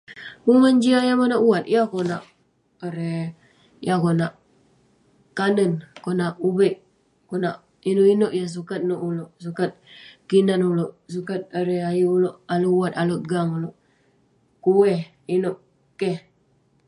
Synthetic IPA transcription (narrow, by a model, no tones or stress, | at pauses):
kuŋənd͡ʒiajamanaʔuwat̪̚jakonaʔ | aɾe | jakonaʔ | kanənkonaʔubəʔ | konaʔ | inoʔinoʔjas̬ukat̪̚noʔuloʔsukat̪̚kinanuloʔs̬ukat̪̚aɾeajiuloʔaluuwat̪aloʔ̚ɡaŋuloʔ | kuwɛh | inoʔ | keh